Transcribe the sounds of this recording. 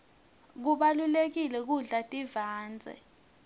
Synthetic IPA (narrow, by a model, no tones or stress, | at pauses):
k̬uɓalulek̬ilɛk̬uɮatʼivaːnd͡zʱɛ̰